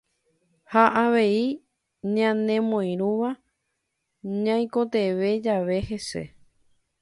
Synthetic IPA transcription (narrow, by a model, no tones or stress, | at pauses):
haʔaʋe̞i | ɲãnẽmõj̃ɾ̃ũʋa | ɲãj̃ko̞t̪e̞ʋe̞d͡ʒaʋe̞he̞se̞̰